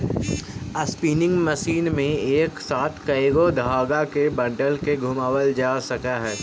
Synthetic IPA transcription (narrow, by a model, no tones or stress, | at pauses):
əspiːnɪ̃ŋɡməʃiːnmẽeːksaːt̪ʰkɐeɡod̪ʱaːɡakebɐ̃ɳɖəlkeɡʱʊmaːwəld͡ʒaːsɐkaɦɛː